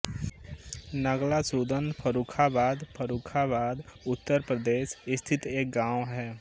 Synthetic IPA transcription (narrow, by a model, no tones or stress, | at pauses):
nəɡlasuːd̪ənpʰəɾuːkʰabaːd̪pʰəɾuːkʰabaːd̪ʊt̪ːəɾpɾəd̪eːʃɪst̪ʰɪt̪eːk̚ɡãːoɦɛː